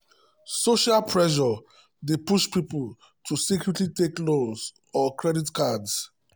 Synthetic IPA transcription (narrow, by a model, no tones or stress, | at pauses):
soʃalpʰɹɛʃ̬ɔ | depuʃpipul | tʰusikjutlitekloz | ɔkʰɹɛditkads